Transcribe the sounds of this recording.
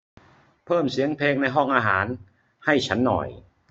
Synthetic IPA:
pʰɤː˥˩msi˩˦əŋpʰeː˧ŋna˧jɦɔ˥˩ŋʔaː˧ɦaː˩˦n | ha˥˩jt͡ɕʰa˦˥nːɔ̰˨˩j

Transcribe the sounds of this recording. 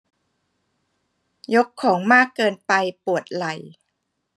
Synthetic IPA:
jo˦˥kʰːɔː˩˦ŋmaː˥˩kːɤː˧npa˧jpu˨˩ət̪̚la˨˩˦j

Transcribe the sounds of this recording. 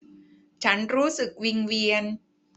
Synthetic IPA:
t͡ɕʰa˦˥nɾuː˦˥sɯ˨˩k̚wi˧ŋwi˧ən

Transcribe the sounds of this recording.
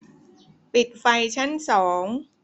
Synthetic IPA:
pi˨˩t̪̚fa˧jt͡ɕʰa˥˩nsɔː˩˦ŋ

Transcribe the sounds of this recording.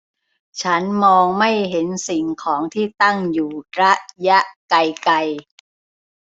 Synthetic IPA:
t͡ɕʰa˦˥nmɔː˧ŋma˥˩jɦe˩˦nsi˨˩ŋkʰɔː˩˦ŋt̪ʰiː˥˩t̪a˥˩ŋjuː˨˩ɾa˦˥ʔja˦˥ʔka˧jka˧j

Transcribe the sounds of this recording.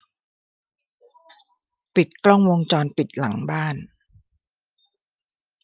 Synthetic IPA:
pi˨˩t̪̚klɔ˥˩ŋwo˧ŋt͡ɕɔː˧npi˨˩t̪̚la˩˦ŋbaː˥˩n

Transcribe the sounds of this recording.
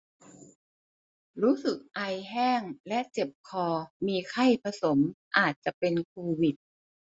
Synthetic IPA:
ɾuː˦˥sɯ˨˩k̚ʔa˧jɦɛː˥˩ŋlɛ˦˥ʔt͡ɕe˨˩p̚kʰɔː˧miː˧kʰa˥˩jpʰa˧so˩˦mʔaː˨˩t̪̚t͡ɕa˨˩ʔpe˧nkʰoː˧wi˨˩t̪̚

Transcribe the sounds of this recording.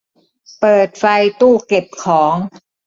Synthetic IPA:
pɤː˨˩t̪̚fa˧jt̪uː˥˩ke˨˩p̚kʰɔː˩˦ŋ

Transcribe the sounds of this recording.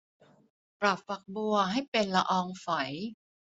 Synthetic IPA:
pɾa˨˩p̚fa˨˩k̚bu˧ɐɦa˥˩jpe˧nla˧ʔɔː˧ŋfa˩˦j

